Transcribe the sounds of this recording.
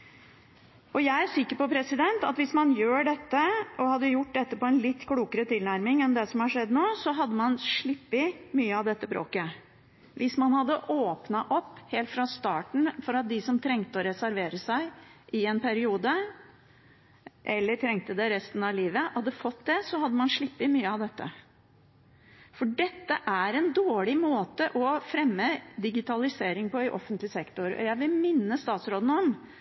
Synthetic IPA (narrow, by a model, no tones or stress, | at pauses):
ɔjæɪæɾʂɪkːəɾpɔpʰɾɛsɪd̪ɛnt̪ɑ̰t̪ʋɪsmɑnjøːɖɛt̪ːəɔhɑd̪ːəjʊʈːd̪ɛt̪ːəpɔɛnlɪt̪ːkʰɽuːkəɾət̪ʰɪlnæɾmɪŋɛnd̪ɛsɔmhɑʂɛd̪ːnoːsɔɦɑd̪ːəmɑnʂɭɪpːɪmyːəɑʋd̪ɛt̪ːəbɾo̰ːkə | ʋɪsmɑnhɑd̪ːəʔoːpnɑʔɔpːheːlt̪fɾɑst̪ɑːʈɳ̩fɔɾɑt̪̚d̪ɪsɔmt̪ʰɾɛŋt̪əɔɾɛsæɾʋeːɾəsæɪʔɪɛnpʰæɾɪuːd̪ə | ʔɛlːəʈʰɾɛŋt̪əd̪ɛɾɛst̪n̩ɑʋliːʋəhɑd̪ːəfɔt̪d̪ɛsɔhɑd̪ːəmɑnʂɭɪpːɪmyːəɑʋd̪ɛt̪ːə̰ | fɔɖɛt̪ːəʔæɾɛnd̪oːɭɪmoːt̪əʔɔfɾɛmːəd̪ɪɡɪt̪ɑlɪseːɾɪŋpʰɔɪʔɔ̰fːənt̪lɪsɛkt̪oɾɔ̰jæɪʋɪlmɪnːəst̪ɑːt̪sɾoːd̪n̩ɔm